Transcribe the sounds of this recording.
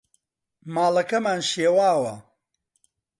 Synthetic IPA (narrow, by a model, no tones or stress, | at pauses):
maːlɐkɐmaːnʃeːwaːwɐ